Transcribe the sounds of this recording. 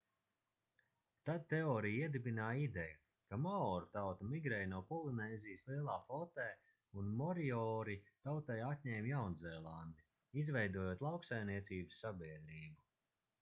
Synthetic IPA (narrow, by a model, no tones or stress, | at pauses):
t̪ad̪̚t̪eɔːɾijiɛd̪ibinaːid̪ɛju | kamɔɔɾut̪awt̪ɐmiɡɾɛːjnuɔpɔlˠinɛːzʲijslˠiɛlˠaːfɔt̪ɛː | unmɔɾiɔːɾit̪awt̪ɛjat̪ʲɲɛːmʲjawnzɛːlˠand̪i | izvɛjd̪uɔjoːt̪lˠawksajmniɛt̪siːbɨsːabiɛd̪ɾiːbu